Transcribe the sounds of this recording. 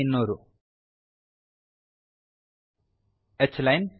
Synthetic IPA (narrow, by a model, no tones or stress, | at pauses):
ɪnːoɾu | ʔət͡ʃːlajn